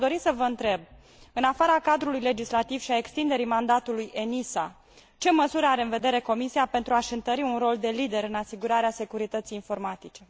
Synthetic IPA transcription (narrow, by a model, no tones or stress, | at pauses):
d̪o̞ɾisəvəɨnt̪ɾe̞b̚ | ɨnafaɾakad̪ɾulujle̞d͡ʒislat̪iv̥ʃiae̞kst̪ind̪e̞ɾimand̪at̪uluje̞nisa | t͡ʃe̞məsuɾeaɾeɨnve̞d̪eɾe̞ko̞misiape̞nt̪ɾuaʃɨnt̪əɾiunro̞ld̪e̞lid̪e̞ɾɨnasiɡuɾaɾease̞kuɾit̪ət̪sijinfo̞rmat̪it͡ʃe̞